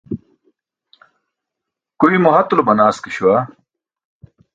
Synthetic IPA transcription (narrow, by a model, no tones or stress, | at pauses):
kuimoɦɐt̪lobɐnaːskiɕuwa